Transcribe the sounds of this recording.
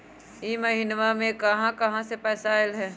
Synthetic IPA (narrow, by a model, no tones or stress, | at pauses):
iːmɐɦinʋamẽkɐɦãkɐɦãsepɛːsaːɪlɦɛː